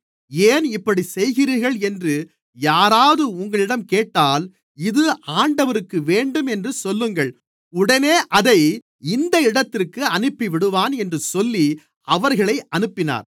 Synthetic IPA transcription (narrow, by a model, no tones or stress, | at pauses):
eːnɪpːɐɽisɛjɣɪɾiɣɐɭɛndrɯ | jaːɾaːðɯʊŋɡɐɭɪɽɐmkeːʈːaːl | ɪðɯaːɳɖɐʋɐɾɯkːɯʋeːɳɖɯmɛndrɯsɔlːɯŋɡɐɭ | ʊɽɐneːʔɐðɐɪ | ɪnd̪ɐɪɽɐt̪ːɪrkːɯɐnɯpːiʋɪɽɯʋaːnɛndrɯsɔlːi | ɐʋɐɾɣɐɭɐɪʔɐnɯpːɪna̰ːɾ